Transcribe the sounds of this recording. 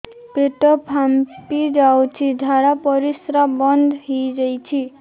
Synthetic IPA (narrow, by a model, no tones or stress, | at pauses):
peʈʌpʰampid͡zawt͡ʃʰid̪ʱaɾapʌɾisɾabʌnd̪ʱɦid͡zʌjt͡sʰi